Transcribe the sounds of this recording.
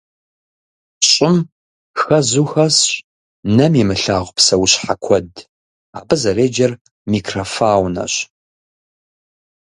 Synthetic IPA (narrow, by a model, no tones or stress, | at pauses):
ɕʼɪm | xɐzuxɐs | nɐmimɨɬaːʁʷpsɐwuɕħakʷʰɔd | a̰ːbɨzɐreːd͡ʒɐr | miːkʰrɐfaːwnɐ̰ɕ